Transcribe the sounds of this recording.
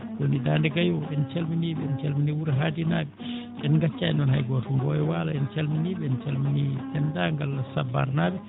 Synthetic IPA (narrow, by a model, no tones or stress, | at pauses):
konidaːndɛɡajɔɛnt͡ʃɛlminibɛnt͡ʃɛlminiwuɾɦaːdinaːbɛ | ɛnŋɡat͡ʃːaɛnɔnɦa̰jɡɔtuŋɡɔjɛwalaɛnt͡ʃɛlminibɛnt͡ʃɛlminitɛndaːŋɡalːasaba̰ɾnaːbɛ